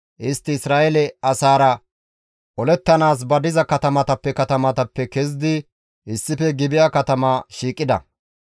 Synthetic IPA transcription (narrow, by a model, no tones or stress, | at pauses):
ʔɪst̪ːɪɪsɾaːʔɛlɛɐsaːɾɐ | ʔɔlɛt̪ːɐnaːs̬bɐd̪ɪzɐkɐt̪ɐmɐt̪ɐpːɛkɐt̪ɐmɐt̪ɐpːɛkɛz̬d̪ɪ | ʔɪsːɪfɛɡɪbɪjaːkɐt̪ɐmaːʃiːkʼːɪd̪ɐ̰